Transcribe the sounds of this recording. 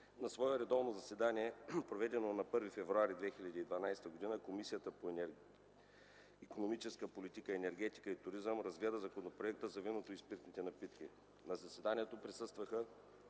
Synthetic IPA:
nɐsvɔɛɾɛd̪ɔvnozɐsɛd̪aniɛpɾovɛd̪ɛnonɐpɤɾvifɛvɾuaɾid̪vɛxilʲɐd̪iːd̪vɐnajst̪əɡod̪inəkomisijət̪əpo | ikonomit͡ʃɛskəpolit̪ikəɛnɛɾɡ̟ɛt̪i̥kəit̪ʊɾizəmɾɐzɡlʲɛd̪əzɐkonopɾoɛk̚t̪əzɐvinot̪oispiɾt̪nit̪ɛnɐpit̪ki | nɐzɐsɛd̪anʲiɛt̪opɾisɤst̪vəxə

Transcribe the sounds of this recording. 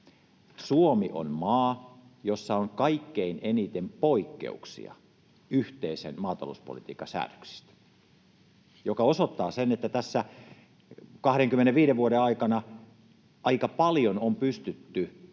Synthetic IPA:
suomiʔo̰nmɑːjosːɑoŋkɑikːeinenit̪empoikːḛṵksḭɑ̰ | yht̪eisḛnmɑːt̪ɑ̰lo̰uspo̰lit̪iːkɑsæ̰ːrø̥ksi̥st̪æ̥ | jokɑosot̪ːɑːsenet̪ːæt̪æsːæ | kɑhɾeŋkymːeneʋʋiːɾeʋʋuoɾeɑikɑnɑ | ʔɑikɑpɑljonompyst̪yt̪ːy

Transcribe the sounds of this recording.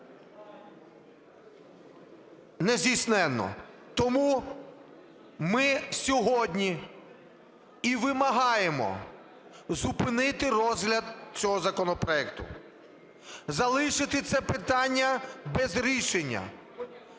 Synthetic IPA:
nɛzʲdijsnɛnːɔ̰ | t̪ɔmu | mɪsʲɔɦɔdʲnʲi | iʋɪmɐɦɑjemɔ̰ | zupɪnɪt̪ɪrɔzɦlʲɐd̪̚t͡sʲɔɦɔzɐkɔnɔpɾɔɛkt̪ʊ̰ | zɐlˠɪʃɪt̪ɪt̪sɛpɪt̪ɑnʲːɐbɛzɾʲiʃenʲːɐ̰

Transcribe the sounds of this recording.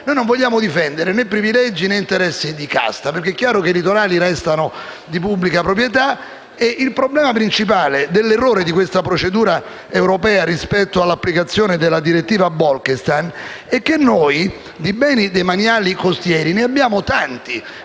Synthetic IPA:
noːjnõɱvoʎːaːmod̪ifɛnd̪eɾenepːɾivilɛd͡ʒːineint̪eɾɛsːid̪ika̰st̪apeɾrk̟eɛkːjaːɾokeilit̪oɾaːliɾɛst̪ano | d̪ip̬ubːlikapɾop̬ɾjet̪̬a | eʔilpɾoblɛːmapɾint͡ʃip̬aːled̪elːerːoːɾed̪ikwest̪apɾot͡ʃed̪uːɾa | ewɾopɛːaɾispɛt̪ːoalːapːlikat̪sːjoːned̪elːad̪iɾet̪ːiːvabɔlkest̪an | ɛk̟ːenːoj | d̪ibɛːnid̪ejmanjaːlikost̪jɛːɾineabːjaːmot̪ant̪i

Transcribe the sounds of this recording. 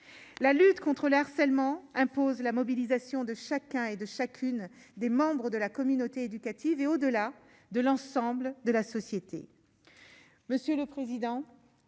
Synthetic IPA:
lalyt̪kɔ̃t̪χələaʁsɛlmɑ̃ɛ̃pozlamɔbilizasjɔ̃d̪əʃakʲɛ̃ed̪əʃakʰʲyn | d̪emɑ̃bʁəd̪əlakɔmynot̪eed̪ykat̪iveod̪əla | d̪əlɑ̃sɑ̃bld̪əlasɔsjet̪ʰḛ | məsjøləpχezid̪ɑ̃

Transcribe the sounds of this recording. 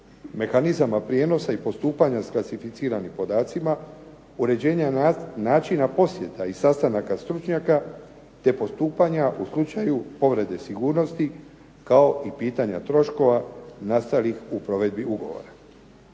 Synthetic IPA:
me̞xanizamapɾje̞ːno̞saipo̞st̪uːpaɲasklˠasifit̪siːɾanimpo̞d̪aːt̪sima | uɾe̞d͡ʑe̞ːɲanaːt͡ʃinapo̞sje̞t̪aisast̪anakast̪ɾut͡ʃɲaka | t̪e̞po̞st̪uːpaɲaʔuslˠut͡ʃajupo̞ʋɾe̞d̪e̞siɡuːɾno̞st̪i | kao̞ʔipiːt̪aɲa̰t̪ɾo̞ʃko̞ʋanast̪alixupɾo̞ʋe̞d̪̚biuɡo̞̰ʋo̞̰ɾa

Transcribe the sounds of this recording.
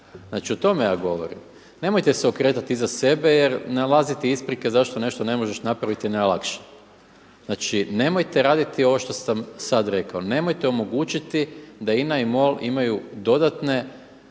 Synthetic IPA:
znat͡ʃiot̪o̞meja̰ːɡo̞ʋo̰ɾḭm | ne̞mo̞jt̪eseokɾe̞ːt̪at̪izase̞be̞je̞ɾnalˠazit̪iispɾikezaʃt̪o̞ne̞ʃt̪o̞ne̞mo̞ʒeʃnapɾaʋit̪inajlˠakʃe̥ | znat͡ʃine̞mo̞jt̪eɾaːd̪it̪io̞ʋo̞ʃt̪o̞samsad̪ɾe̞kao̞ne̞mo̞jt̪eomo̞ɡuːt͡ʃit̪id̪ainaimo̞lḭmajud̪o̞d̪at̪ne̞

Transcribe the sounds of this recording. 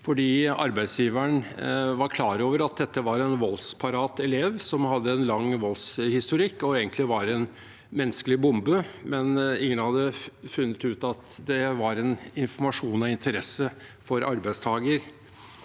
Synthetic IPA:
fɔɖiːɑ̰ɾbæɪsjiːʋæɳʋɑɾkʰlɑːɾoːʋəɾɑt̪̚d̪ɛt̪ːəʋɑɾɛnʋɔlspʰɑɾɑːt̪ɛleːʋsɔmhɑd̪ːəɛnlɑŋːʋɔlshɪst̪ʊɾɪkːɔeːɡənt̪lɪʋɑɾɛn | mɛnːəskəlɪbʊmbəmɛnɪŋːənhɑd̪ːəfʉnːət̪ʉːt̪ɑt̪d̪ɛʋɑɾɛnɪnfɔɾmɑʂuːnɑɪnt̪ʰəɾɛsːə | fɔɾʔɑɾbæɪst̪ʰɑːɡəɾ

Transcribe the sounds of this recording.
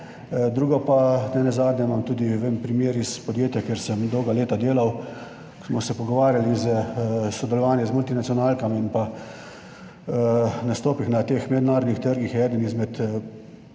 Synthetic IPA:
d̪ɾuːɡɔpanɛnɛzaːd̪nʲɛmamt̪uːd̪iʋempɾimjeːɾispɔd̪jeːt̪jɛkjeɾsəmd̪ɔwɡaleːt̪ad̪eːlaw | smɔsɛpɔɡɔʋaːɾjalizəsɔd̪ɛlɔʋaːnjɛzmult̪inat̪sijɔnaːlkaminpa | nast̪oːpixnat̪eːxmɛd̪naːɾɔd̪nixt̪əɾɡixjɛːd̪ənizmɛt̪

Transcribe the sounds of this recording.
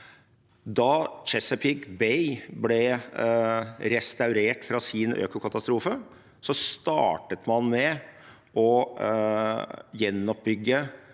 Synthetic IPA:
d̪ɑt͡ʃɛsəpʰɪɡbɛɪblɛ | ɾɛst̪ɑʉɾeːʈfɾɑsɪnø̰ːkʊkʰɑt̪ɑst̪ɾuːfə | sɔst̪ɑ̰ːʈət̪mɑnmɛ | ʔɔ | jɛnːɔp̚bʏɡːə

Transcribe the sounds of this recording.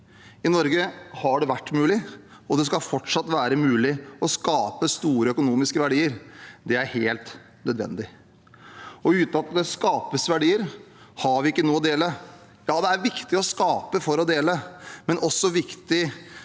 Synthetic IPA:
ɪnɔɾɡəhɑɖɛʋæʈːmʉːlɪɔd̪ɛskɑlfɔʈʂɑt̪ːʋæːɾəmʉːlɪɔskɑːpəst̪uːɾəœkʊnuːmɪskəʋæɖiːəɾd̪ɛæɾheːlt̪ | nœd̪ʋɛ̰nd̪ɪ | ɔʉːt̪nɑt̪ːɪld̪ɛskɑːpəsʋæɖiːəɾhɑɾʋɪɪkːənuːɔd̪eːlə | jɑːd̪ɛæɾʋɪkt̪ɪɔskɑːpəfɔɾɔd̪eːləmɛnɔsːɔʋɪkt̪ɪ

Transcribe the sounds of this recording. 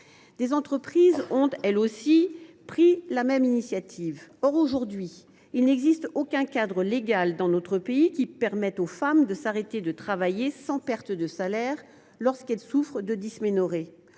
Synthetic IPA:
d̪̥ezɑ̃t̪χəpχizɔ̃t̪ɛlosi | pχilamɛminisjat̪ʰivɔʁoʒuʁd̪ɥi | ilnɛɡzist̪okʲɛ̃kad̪ʁəleɡald̪ɑ̃not̪χəpeikʲipɛʁmɛt̪ofamd̪əsaʁet̪ed̪ət̪χavajesɑ̃pɛʁt̪d̪əsalɛʁ | lɔʁskɛlsufχd̪əd̪ismenɔʁe

